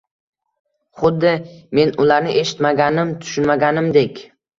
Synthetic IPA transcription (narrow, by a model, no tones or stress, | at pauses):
χʊd̪ːɪme̞nʊlaɾnɪʔe̞ʃɪ̥t̪maɡʲanɪmt̪ʰʊ̥ʃʊnmaɡʲanɪmd̪e̞kʲ